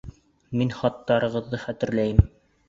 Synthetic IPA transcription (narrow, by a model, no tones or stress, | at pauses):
minχɑt̪ːɑɾɤ̆ʁɤ̆ðːɤχæt̪ɘ̆ɾlæjɘm